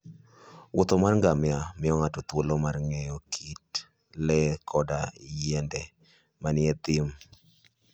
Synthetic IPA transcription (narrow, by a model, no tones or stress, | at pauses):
wʔʊt̪ɔmarŋɡamɪamɪɔŋatot̪wolomarŋɛjɔkʰit | lɛkʰɔdajɛndɛ | manɪɛt̪ɪm